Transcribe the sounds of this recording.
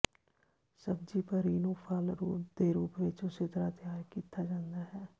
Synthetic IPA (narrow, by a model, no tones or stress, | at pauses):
səbd͡ʒiːpəɾiːnũːpʰaːlɾṵːp̚d̪eːɾuːpʋɪt͡ʃʊset̪əɾaːt̪ɪjaːɾkiːt̪aːd͡ʒãːnd̪aːɦɛː